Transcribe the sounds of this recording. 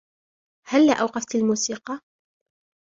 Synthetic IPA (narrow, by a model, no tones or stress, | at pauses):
halːaʔawqɑft̪almuːsiːqɑ